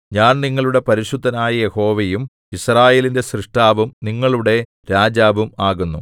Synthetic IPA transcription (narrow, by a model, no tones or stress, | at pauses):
ɲaːnniŋːɐɭuɽe̞pɐɾiɕud̪ʱːɐnaːjɐje̞ho̞ːʋejum | israːje̞ːlinde̞srɨʂʈaːʋumniŋːɐɭuɽe̞ | ɾaːd͡ʑaːʋumaːɣunːṵ